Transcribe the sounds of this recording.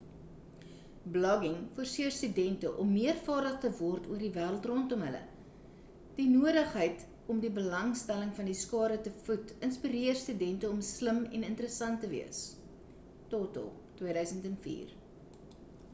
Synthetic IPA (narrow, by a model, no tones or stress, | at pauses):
blɔɡɪŋfoərsiərstydɛntəʔɔmːiərfɑːrdəχtəvɔrtuərdivæːɾəlˠtrɔntɔmɦələ̰ | d̥inuəɾəχɦəjt | ɔmdibəlɐŋstæləŋfɐndiskɑːɾətəfutənspiɾiərstydɛntəɔmsləmɛ̰nəntəɾəsɐntəviəs | totə̰lˠtwiəɾœɥsəntɛnfḭːr